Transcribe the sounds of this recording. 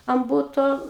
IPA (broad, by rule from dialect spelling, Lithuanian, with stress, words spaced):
ɐn ˈbʊtoː